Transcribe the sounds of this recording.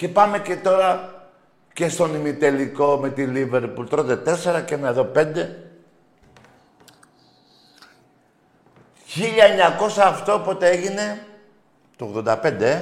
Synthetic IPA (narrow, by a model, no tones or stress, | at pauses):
ce̞pɐme̞ce̞t̪o̞ɾɐ | ce̞st̪o̞nimit̪e̞liko̞me̞t̪ilive̞ɾpult̪ɾod̪et̪e̞se̞ɾɐceenɐeðo̞pe̞nd̪e̞ | çiʎɐeɲɐko̞sɐːft̪opo̞t̪ee̞ʝine̞ | t̪ooɣðo̞nd̪ɐpe̞nd̪e